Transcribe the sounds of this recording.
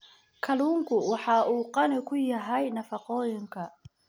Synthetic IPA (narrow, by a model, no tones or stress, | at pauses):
kʰɐluːŋkʰʊwɑħɑːʔuːqɑnɪkʰʊjɐɦɛjnɐfɑqɔːjɪŋkʰɐ